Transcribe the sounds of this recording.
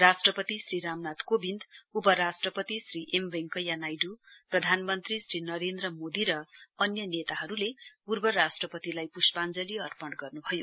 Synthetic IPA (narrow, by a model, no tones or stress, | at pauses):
rasʈrʌpʌt̪isriɾamnat̪kobind̪upʌɾasʈrʌpʌt̪isriʔembeŋkʌjanajɖuprʌd̪ʱanmʌnt̪risrinʌɾend̪rʌmod̪iɾʌʌnjʌnet̪aɦʌɾulepurbʌɾasʈrʌpʌt̪ilajpuspand͡zʌliʌrpʌɳɖɡʌrnubʱʌjo